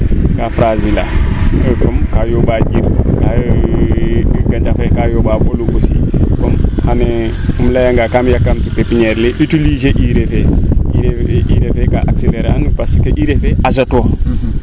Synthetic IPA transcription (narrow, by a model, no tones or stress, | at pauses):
ɡafɾazila̰ | kɔmkajobaɟib̚ka | ɡaɲt͡ʃafekajobaboluɡosḭkɔmhane | umlajaŋɡakamjakːamtipepiɲeɾleʔitilizeʔiɾefeiiɾefekaʔakseleɾa̰npaskeʔiɾefeʔazato